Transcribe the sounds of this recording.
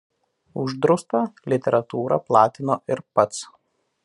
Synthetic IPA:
ʊʒd̪ɾʊst̪ɐlʲɪt̪ʲɛɾɐt̪uːɾɐ̰plˠɑːt̪ʲɪnoːʔɪɾpɐt̪s

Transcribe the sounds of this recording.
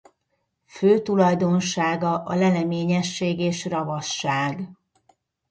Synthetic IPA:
føːt̪ulɒjd̪o̞nʃaːɡɒʔɒlɛlɛmeːɲɛʃːeːɡeːʃrɒvɒʃːaːɡ

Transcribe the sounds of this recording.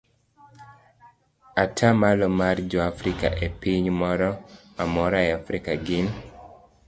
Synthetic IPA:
atʰamalɔmard͡ʒɔafɾika̰ʔepiɲmɔɾɔmamɔɾaeafɾikaɡɪn

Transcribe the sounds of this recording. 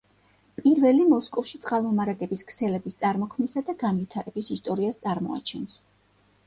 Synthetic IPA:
pʼiɾvɛlimɔskʼɔfʃit̪sʼqʼalˠmɔmaɾaɡɛbiskʰsɛlɛbist̪sʼaɾmɔkʰmnisad̪aɡanvit̪ʰaɾɛbisist̪ʼɔɾiast̪sʼaɾmɔ̰a̰t͡ʃʰɛns

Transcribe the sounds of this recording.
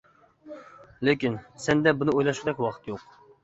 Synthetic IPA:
lɪkʲinsɛnd̪ɛbunɨojlˠɑʃɾd̪ɛkʲwɑqʰət̪joq

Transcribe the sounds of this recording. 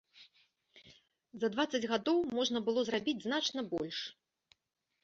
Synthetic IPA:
zɐd̪vat̪sːɐd͡zʲɣad̪ɔwmɔʐnɐbɨlˠɔzrabʲid͡zʲznat͡ʂnɐbɔlʲʂ

